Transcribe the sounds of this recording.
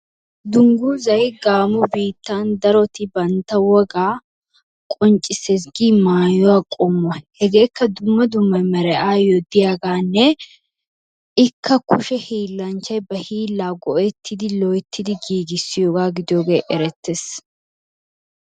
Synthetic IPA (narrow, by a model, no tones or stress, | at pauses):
d̪ʊŋɡuːzɐjɡaːmʊbiːt̪ːand̪ɐɾɔt̪ɪbɐnt̪ːɐwɔɡaː | kʼɔnt͡ʃʼɪses̬ɡiːmaːjɔwaːkʼʊmːɔhɛɡe̞ːkːɐd̪ʊmːɐd̪ʊmːɐmɛɾɛʔaːjɔd̪ɪjaːɡaːnːɛ | ɪkʰːɐkʰʊʃɛhiːlːɐnt͡ʃːɐjbɐhiːlːaːɡɔʔɛt̪ʰːɪd̪ɪlɔjt̪ʰːɪd̪ɪɡiːɡɪsːɪjoːɡaːɡɪd̪ɪjoːɡe̞ːʔɛɾɛt̪ːes